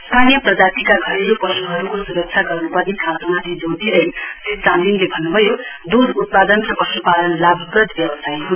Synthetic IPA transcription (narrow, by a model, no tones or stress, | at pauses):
st̪ʰanijʌprʌd͡zat̪ikaɡʱʌɾiɾupʌsuɦʌɾukosuɾʌk̚t͡ʃʰjaɡʌrnupʌrnikʰat̪umat̪ʰid͡zot̪ʰiɾʌset͡sand̪inlebʱʌnːubʱʌjo | d̪ud̪ut̪̚pad̪ʌnsʌpʌsupad̪ʌnlabɡʌd̪bjʌbʌsajɦun